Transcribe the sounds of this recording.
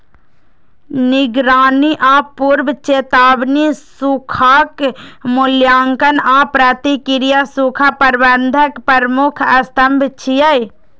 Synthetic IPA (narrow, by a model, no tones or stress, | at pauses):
nɪɡɾaːniʔãːpuːɾʋt͡ʃeːt̪aːbnisukʰaːkmʊljaːŋkənãːpɾat̪ikɪɾijasukʰapɐɾbɐnd̪ʱəkpɐɾmʊkʰɐst̪ɐmbʱt͡ʃʰijaj